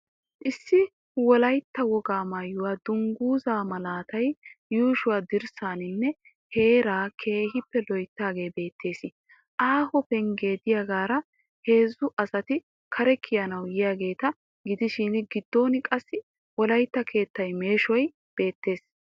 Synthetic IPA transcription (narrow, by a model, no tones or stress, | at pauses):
ʔɪsːɪ | wɔlɐjt̪ːɐwɔɡaːmaːjʊwaːd̪ʊŋɡuːzaːmɐlaːt̪ɐjjuːʃʊwaːd̪ɪɾsaːnɪnːɛ | he̞ːɾaːkʰe̞ːhɪpːɛlɔjt̪ːaːɡe̞ːjbe̞ːt̪ʰːe̞ːsɪ | ʔaːhɔpɛŋɡe̞ːd̪ɪjɐɡaːɾɐ | he̞ːzːʊʔɐsɐt̪ɪ | kʰɐɾɛkʰːɪjɐnɐwjɪjaːɡe̞ːt̪ɐ | ɡɪd̪ɪʃɪnɡɪd̪ːo̞ːnɪkʼɐsːɪ | wɔlɐjt̪ːɐkʰe̞ːt̪ːɐjme̞ːʃɔj | b̥e̞ːt̪ːe̞ːs